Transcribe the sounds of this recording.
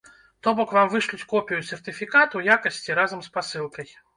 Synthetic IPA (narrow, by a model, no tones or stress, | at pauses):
t̪ɔbɔkvamvɨʂlʲut͡sʲkɔpʲijusʲɛrt̪ɨfʲikat̪ujakɐsʲt͡sʲiɾazɐmspasɨlˠkɐj